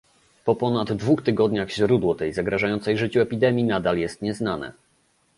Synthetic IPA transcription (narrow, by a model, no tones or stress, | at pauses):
pɔpɔnad̪ːvuxt̪ɘɡɔd̪ɲaxɕɾud̪wɔt̪ɛjzaɡɾaʐajɔntsɛjʐɘt͡ɕuɛpʲid̪ɛmʲjinad̪aljɛst̪ɲɛznanɛ̰